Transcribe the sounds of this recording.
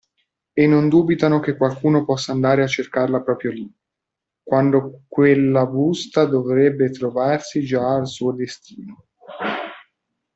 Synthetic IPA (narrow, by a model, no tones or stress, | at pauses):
enːond̪uːbit̪anok̟ekːwalkuːnopɔsːaːnd̪aːɾeat͡ʃːerkarlapɾɔːpɾjoli | kwand̪okwelːabust̪ad̪ovɾɛbːet̪ɾovarsid͡ʒaːlsuːod̪est̪iːno